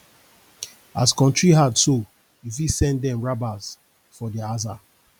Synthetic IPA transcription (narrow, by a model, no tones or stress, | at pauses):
askɔ̃ntɹiɦadso | ifisɛ̃ndɛ̃mɹabaz | fɔdiaza